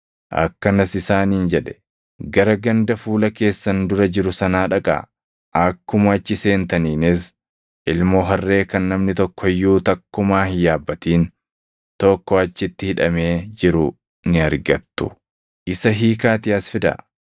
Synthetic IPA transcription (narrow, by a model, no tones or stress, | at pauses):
ʔɐ̰kːɐnɐsɪsaːniːnd͡ʒɛᶑɛ̥ | ɡɐɾɐɡɐnd̪ɐfuːlɐke̞ːsːɐnd̪ʊɾɐd͡ʒɪɾʊsɐnaːᶑɐkʼa̰ | ʔɐkːʊmɐɐt͡ʃːɪse̞ːnt̪ɐniːnɪs | ʔɪlmoːɦɐrːe̞ːkɐnːɐmnɪt̪ɔkːɔɪjːuːt̪ɐkːʊmaːhɪjaːbːɐt̪iːn | t̪ɔkːɔɐt͡ʃːɪt̪ːɪhɪᶑɐme̞ːd͡ʒɪɾʊ | nɪɐɾɡɐt̪ːʊ̥̰ | ʔɪsɐɦiːkaːt̪ɪɐsfɪd̪ɐ̰